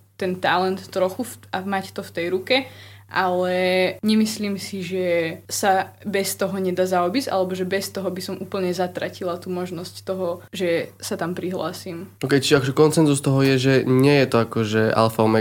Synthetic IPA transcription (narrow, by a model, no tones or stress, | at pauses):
t̪ɛnt̪alɛnt̪ːɾɔxufamact̪ɔft̪ɛjɾukɛʔalɛɲɛmisliːmsiʒɛsabɛst̪ɔɦɔɲɛd̪aːzaɔbiza̰lɛbɔʒɛbɛst̪ɔɦɔbisɔmʔuːpl̩ɲɛzat̪ɾacilat̪uːmɔʒnɔsct̪ɔɦɔʒɛsat̪ampɾiɦla̰ːsiːmokɛjt͡ʃiakɔʒɛkɔnt͡sɛnzust̪ɔɦɔjɛʒɛɲɪɛjɛt̪ɔakɔʒɛa̰lfaɔmɛ